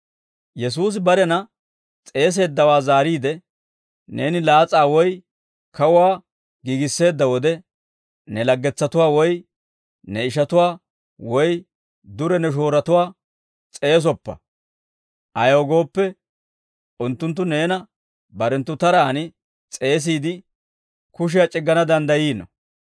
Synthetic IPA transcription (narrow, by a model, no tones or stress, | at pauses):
jɛs̬uːs̬ɪbɐɾɛnɐ | t͡sʼe̞ːs̬e̞ːd̪ːɐwaːzaːɾiːd̪ɛ | neːnɪlaːt͡sʼaːwɔj | kɐwʊwaː | ɡiːɡɪsːe̞ːd̪ːɐwɔd̪ɛ | nɛlɐɡːɛt͡sːɐt̪ʊwaːwɔj | nɛɪʃ̬ɐt̪ʊwaː | wɔj | d̪ʊɾɛnɛʃ̬o̞ːɾɐt̪ʊwaː | t͡sʼe̞ːs̬ɔpːɐ̰ | ʔɐjoːɡo̞ːpːɛ | ʊnt̪ːʊnt̪ːʊne̞ːnɐ | bɐɾɛnt̪ːʊt̪ɐɾaːnɪ | t͡sʼe̞ːs̬iːd̪ɪ | kʊʃ̬ɪjat͡ʃʼɪɡːɐnɐd̪ɐnd̪ɐjiːnɔ̰